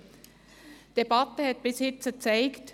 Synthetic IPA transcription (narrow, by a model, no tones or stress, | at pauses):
d̥ebatəhɛt̚b̥ɪshɪt͡sət͡saɪkt